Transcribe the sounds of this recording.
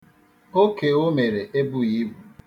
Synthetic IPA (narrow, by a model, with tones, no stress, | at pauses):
o˦ke˨o˦me˨ɾe˨ʔe˦bu˦ji˦bu˨